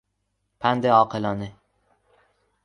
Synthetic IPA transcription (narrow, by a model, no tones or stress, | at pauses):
pʰand̪ɪɒːqʰɨlɒnɪ